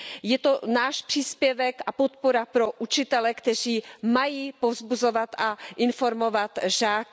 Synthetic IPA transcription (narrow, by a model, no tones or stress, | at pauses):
jɛt̪o̞naːʃpr̥iːspjɛvɛkʔapot̪̚poɾapɾo̞ʔut͡ʃɪt̪ɛlɛkt̪ɛr̝iːmajiːpo̞vzbuzo̞vat̪ʔaʔɪnfo̞ɾmo̞vat̪ʒaːk